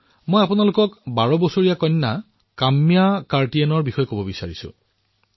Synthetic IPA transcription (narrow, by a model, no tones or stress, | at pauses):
mojapʊnalʊkɔkbaɹɔbɔsoɹijakɔnːa | kamːijakaɹtianɔɹbixɔjɔkobɔbisaɹisʊ̰̃